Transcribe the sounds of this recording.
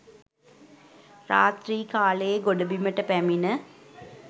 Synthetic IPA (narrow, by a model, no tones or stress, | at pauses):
ra̰ːt̪riːkaːləjeɡoɖəbiməʈəpæminə